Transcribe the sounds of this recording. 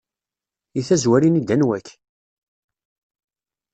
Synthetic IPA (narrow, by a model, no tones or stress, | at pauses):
iθæzwæɾinid̪ænwækː